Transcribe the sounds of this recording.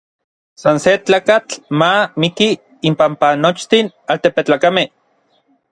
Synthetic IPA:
sanset͡ɬaːkat͡ɬmamikiː | mpampanot͡ʃt̪in | alt̪epet͡ɬaːkameh

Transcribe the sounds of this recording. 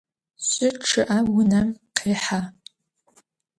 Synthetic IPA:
ɕʷʼʊʈ͡ʂʰɨʔawʊnamqʰeːħa

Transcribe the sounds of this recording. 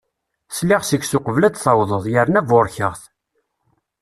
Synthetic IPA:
slɪʁsəɡsʊqəvlæd̪θɑwðˤəðˤjəɾnævʊɾçəʁθ

